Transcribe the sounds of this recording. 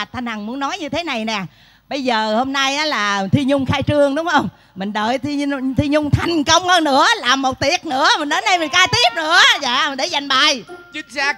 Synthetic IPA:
t̪ʰaː˧nha˨˩ŋmu˨˦ənːɔ˨˦jɲɨ˧t̪ʰe˨˦na˨˩jnɛː˨˩ | ɓə˧jzəː˨˩ho˧mna˧jʔaː˨˦laː˨˩t̪ʰi˧ɲʊ˧ŋ͡mxaː˧jt͡ɕɨ˧əŋɗʊ˨˦ŋ͡mhə˧wŋ͡m | mï˨˩ŋ̟ɗəː˨˩jt̪i˧t̪ʰi˧ɲʊ˧ŋ͡mt̪ʰa˨˩jŋ̟kə˧wŋ͡mhəː˧nɨ̰˧˥əlaː˨˩mːo˨˩t̚t̪i˨˧˩ət̚nɨ̰˧˥əmï˨˩ŋnə˨˦nə˧jmï˨˩ŋ̟kaː˧jt̪i˦˥əp̚nɨ̰˧˥əza̰ː˧˩m˨˩ɗe˧˩za˨˩jŋ̟ɓa̰˨jt͡ɕɨ˦˥k̚saː˦

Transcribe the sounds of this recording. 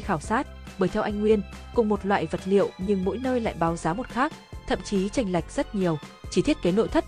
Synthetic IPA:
xaː˧˩wsaː˦˥t̚ɓəː˧˩jt̪ʰɛ˧wʔa˧jŋ̟ŋwi˧ənkʊ̰˨˩ŋ͡mmo˨˩t̚lwa̰ː˧˨jvə˨˩t̚lḭ˧˨ə˨wɲɨ˧ŋmo̰˧˥jnəː˧jla̰ː˧˨jɓaː˨˦wzaː˨˦mo˨˩t̚xaː˦˥k̚t̪ʰə̰˧˨mt͡ɕi˨˦t͡ɕa˧jŋ̟la˨˩jk̟̚z̥ə˦˥t̚ɲi˨˩əwt͡ɕi˧˩t̪ʰi˦˥ət̚ke˨˦no̰˧˨jt̪ʰə˦˥t̚

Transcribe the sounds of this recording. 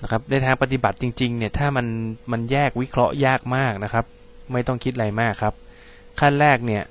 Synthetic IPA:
na˦˥kʰa˦˥p̚na˧˩t̪ʰaː˧ŋpa˧t̪i˨˩ba˨˩t̪̚t͡ɕi˧ŋt͡ɕi˧ŋni˥˩ɐt̪ʰaː˥˩ma˧nma˧njɛː˥˩k̚wi˦˥kʰɾɔ˦˥ʔjaː˥˩k̚maː˥˩k̚na˦˥kʰa˦˥p̚ | ma˥˩jt̪ɔ˥˩ŋkʰi˦t̪̚ɾa˧jmaː˥˩kʰːa˦˥p̚ | kʰa˥˩nɾɛː˥˩k̚ni˥˩ɐ

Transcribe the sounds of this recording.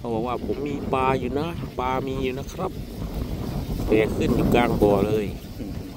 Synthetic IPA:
pʰɔ˧˩waː˧waː˧˩pʰo˨˦mːiː˧paː˧juː˧na˧˥paː˧miː˧juː˧na˧˥˩kʰɾa˦˥p̚ | pɛː˨˧˩kʰɯ˧˥˨njuː˧˩kaː˧˩ŋbɔː˧˩lɤː˧˨j

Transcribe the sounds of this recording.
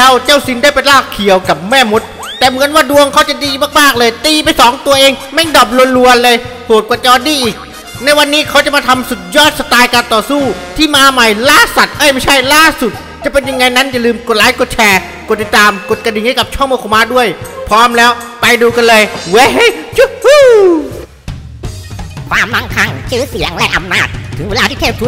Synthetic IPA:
lɛ˦˥˩wt͡ɕa˥˩wsi˨˦ndaː˥˩jpa˧nlaː˥˩kʰːi˨˦əwka˨˩p̚mɛː˥˩mo˨˩˦t̪̚ːɛː˨˩mɯ˨˩˦ənwaː˧˥˩du˧əŋkʰa˦˥wt͡ɕa˨˩diː˧maː˥˩k̚maː˥˩k̚lɤː˧jt̪iː˧pa˧jsɔː˩˦ŋt̪u˧ɐʔeː˧ŋma˥˩jdɔː˨˩p̚lu˧ənlu˧ənlɤː˧jpʰo˨˩t̪̚kwa˨˩t͡ɕɔː˧˩t̪̚diː˧˩ʔiː˨˩k̚ | na˧jwa˧nːiː˦˥kʰa˦˥wt͡ɕa˨˩maː˧t̪ʰa˧msu˨˩t̪̚jɔː˥˩t̪̚sa˧t̪aː˧jka˧nt̪ɔː˨˩suː˥˩t̪ʰiː˥˩maː˧ma˨˩jlaː˥˩sa˨˩t̪̚ʔa˦˥˩jma˥˩jt͡ɕʰa˥˩jlaː˥˩su˨˩t̪̚ | t͡ɕa˨˩pe˧nja˧ŋa˧jna˦˥nja˨lɯː˧mko˨˩t̪̚laː˦˥jko˨˩t̪̚t͡ɕʰɛː˧ | ko˨˩t̪̚ːi˧˩t̪aː˧mko˨˩t̪̚ka˧di˨˩ŋha˥˩ka˨˩p̚t͡ɕʰɔ˥˩ŋmoː˧kʰo˧˩maː˧˥du˥˩əjpʰɾɔː˦˥mlɛː˦˥w | pa˧jduː˧ka˧nlɤː˧jwe˦˥ɦe˦˥˩jt͡ɕu˥hu˥ | kʰwaː˧mla˧˥ŋkʰa˧ŋt͡ɕʰɯː˦˥˨si˨˩˦əŋlɛ˧˩ʔa˧mnaː˥˩t̪̚ʰːɯ˨˩˦ŋweː˧laː˧t̪ʰiː˥˩tʰeː˥˩p̚t̪ʰu˦˥

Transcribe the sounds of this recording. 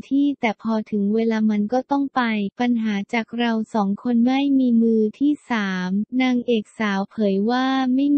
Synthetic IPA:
t̪ʰiː˥˩t̪ɛː˨˩pʰɔː˧t̪ʰɯ˩˦ŋweː˧laː˧ma˧nkɔː˥˩t̪ɔ˥˩ŋpa˧jpa˧nɦaː˩˦t͡ɕaː˨˩k̚ɾa˧wsɔː˩˦ŋkʰo˧nma˥˩jmiː˧mɯː˧t̪ʰiː˥˩saː˩˦mnaː˧ŋʔeː˨˩k̚saː˩˦wpʰɤː˩˦jwaː˥˩ma˥˩j

